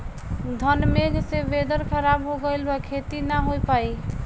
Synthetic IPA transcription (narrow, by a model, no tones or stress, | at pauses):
d̪ʱənmeɡʱsebed̪əɾkʰəɾabɦoɡəjlbekʰet̪inaɦojpai